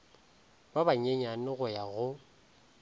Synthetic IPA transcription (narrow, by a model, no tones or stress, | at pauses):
babaɲeɲanɪɣʊjaɣʊ